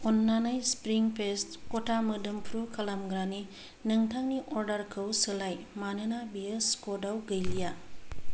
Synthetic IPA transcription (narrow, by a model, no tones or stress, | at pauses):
ɔnːanajspɾiŋpʰestkɔtʰamɯdɯmpʰɾukʰalamɡɾani | nɯŋtʰaŋniʔoɾdɐɾkʰəwsɯlaj | manɯnabijɯskodawɡɐjlija